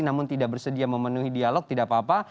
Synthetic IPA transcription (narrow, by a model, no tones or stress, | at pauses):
namʊnt̪idaʔbərsədiaməmənuɦidialɔk̚t̪idaʔpapa